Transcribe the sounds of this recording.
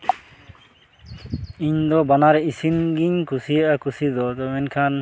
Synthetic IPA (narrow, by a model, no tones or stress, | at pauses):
iɲd̪ɔbanaɾisinɡiɲkʰusiaakʰusid̪ɔt̪ɔmɛnkʰan